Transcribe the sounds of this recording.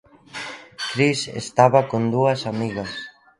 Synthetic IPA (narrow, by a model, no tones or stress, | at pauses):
kɾisḛst̪aβakond̪uɐsamiɣɐs